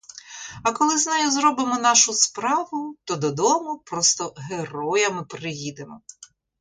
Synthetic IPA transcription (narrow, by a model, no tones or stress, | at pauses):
ɐkɔlˠɪznɑjʊzɾɔbɪmɔnɑʃʊspɾɑʋʊt̪ɔd̪ɔd̪ɔmʊpɾɔst̪ɔɦerɔjɐmɪpɾɪjid̪emɔ